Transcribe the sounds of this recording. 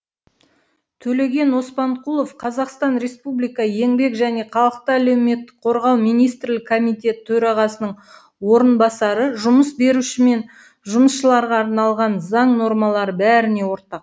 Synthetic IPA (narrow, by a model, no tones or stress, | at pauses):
t̪ʰɵle̞ɡʲe̞nwo̞spɑɴqʰulˠo̞fqʰɑzɑqst̪ɑnɾe̞spublijkɑje̞ŋbe̞kʒæne̞qʰɑlˠəq̚t̪əæle̞wme̞t̪ːɪ̥k̚qʰo̞ɾʁɑlˠmijnijst̪ɾlɪkʰːo̞mijt̪ʲe̞t̪ʰːɵɾɑʁɑsənəɴ | wo̞ɾənbɑsɑɾəʒʊməsbe̞ɾuʃɪme̞n | ʒʊməsʃəlˠɑɾʁɑːɾnɑlˠʁɑnzɑɴno̞ɾmɑlˠɑɾəbæɾɪne̞wo̞ɾt̪ɑq̚